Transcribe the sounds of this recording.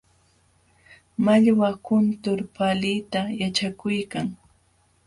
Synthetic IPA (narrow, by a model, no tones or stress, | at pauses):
maʎwakʊnt̪ʊɾpalijt̪ajat͡ʃakʊjkaŋ